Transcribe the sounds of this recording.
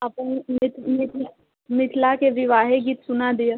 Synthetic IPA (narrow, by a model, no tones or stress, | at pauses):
ɐpnmɪt̪mɪt̪ʰ | mɪt̪ʰlakeʋɪʋaːɦeɡiːt̪sʊnad̪ija